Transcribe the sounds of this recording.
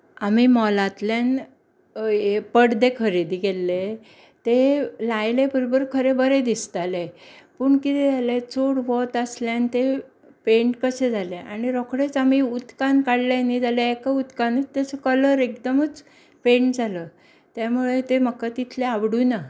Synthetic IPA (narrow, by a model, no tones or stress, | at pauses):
amimɔlat̪ljan | pəɽd̪ekʰəɾid̪iɡelːe | t̪elajlebəɾobəɾkʰəɾebəɾed̪ist̪alepəːɳkit̪ed͡zalet͡soɽʋɔt̪asljant̪e | pẽɳʈkəsed͡zʱaleʔa̰ɽiɾɔkɽet͡samiut̪kankaɽlanid͡zʱaleekaut̪kanit̪ːjat͡səkələɾekd̪əmət͡s | pẽɳʈd͡zʱalə | t̪jamuɭet̪eməkːat̪it̪ʰleaʋɽuna